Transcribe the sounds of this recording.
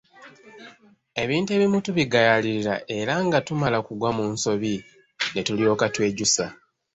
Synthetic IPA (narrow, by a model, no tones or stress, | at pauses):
e̞βiːnte̞βimutuβiɡajaliɾiɾa̰ʔe̞ɾaŋɡatumalakuɡwamuːnso̞βi | ne̞tulio̞ːkatwe̞ːɟusa